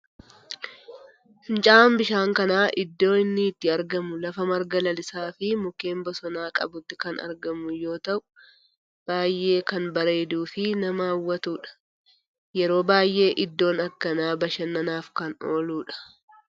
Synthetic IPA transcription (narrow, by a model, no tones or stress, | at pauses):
hɪnt͡ʃʼaːmbɪʃaːŋkɐnaːʔɪd̪ːo̞ːɪnːɪːt̪ːɪɐɾɡɐmʊlɐfɐmɐɾɡɐlɐlɪsaːfɪmʊke̞ːmbɔsɔnaːkʼɐ̰bʊt̪ːɪ̥kɐnɐ̰ɾɡɐmʊjo̞ːt̪ɐʔʊ̥ | b̥aːjːʔe̞ːkɐnbɐɾe̞ːd̪uːfɪnɐmɐɐwːɐt̪uːᶑɐ̥ | jɛɾo̞ːbaːjʔe̞ːʔɪd̪ːo̞ːnɐkːɐnaːbɐʃɐnːɐnaːfkɐno̞ːluːᶑɐ̥